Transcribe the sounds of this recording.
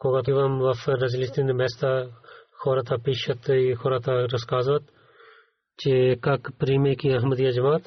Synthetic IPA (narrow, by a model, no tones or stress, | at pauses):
koːɡat̪iʋɐmʋɐfɾɐzlist̪ind̪meːst̪axʰoːɾɐt̪apiːʃɐt̪xʰoːɾat̪aɾɐskaːzʋɐt̪ | t͡ʃekɐkpɾiːmekiɐɦmɐd̪ijaːd͡ʒɐmaːt̪